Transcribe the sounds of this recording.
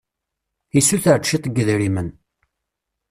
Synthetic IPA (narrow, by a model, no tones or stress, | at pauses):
isuθəɾt͡ʃːit̪ˤɡəðɾimən